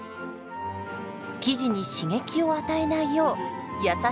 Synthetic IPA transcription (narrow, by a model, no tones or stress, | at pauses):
kʲiʑiɲ̟iɕiŋe̞kʲio̞at̪ae̞naijo̞ːjasa